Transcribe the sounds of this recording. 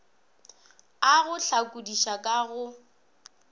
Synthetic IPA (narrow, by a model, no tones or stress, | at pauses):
aɣʊɬʰakʼudiʃakʼaɣʊ